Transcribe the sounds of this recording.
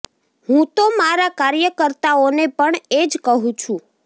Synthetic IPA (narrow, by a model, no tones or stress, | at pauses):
hũt̪omaɾakaɾjəkəɾt̪aonepəɳed͡ʒkəɦũt͡ʃʰũ